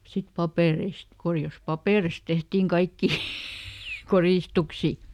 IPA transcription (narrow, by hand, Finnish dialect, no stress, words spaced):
sit pɑpeˑreist korjɑs pɑpeˑrist tehtiŋ kɑikːiˑ koriˑstuksi